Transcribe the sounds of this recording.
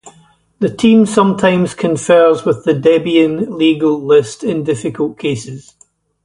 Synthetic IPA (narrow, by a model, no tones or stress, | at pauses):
ðətʰĩmsʌ̃mtʰãɪ̃mz̥kʰə̃ɱfɜ˞zwɪðədɛbiə̃nlˠiɡəlˠlˠɪstɪ̃ndɪfɪkəlˠʔkʰesɪz̥